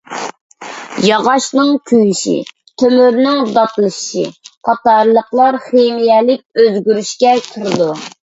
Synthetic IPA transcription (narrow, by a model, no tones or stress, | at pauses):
jɑʁɑʃnɨŋkʲʰyjiʃḭ | t̪ʰømyɾnɪŋd̪ɑt̪lˠɨʃʃḭqʰɑt̪ɑɾlˠəqlˠɑɾχemijɛlɪk̚ʲøzɡʲyɾyʃkʲɛkʲʰəɾɨd̪u